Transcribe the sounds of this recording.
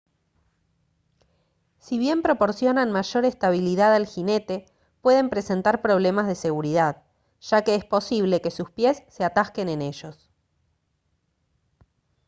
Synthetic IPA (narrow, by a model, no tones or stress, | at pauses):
siβje̞mpɾo̞po̞ɾsjo̞nanmaʒo̞ɾest̪aβ̞iliðaðalxine̞t̪e̞ | pwe̞ðe̞mpɾe̞se̞nt̪aɾpɾo̞β̞le̞mazðe̞se̞ɣuɾiðað | ʒ̥ake̞espo̞siβ̞le̞ke̞suspje̞sːeat̪aske̞nene̞ʒo̞s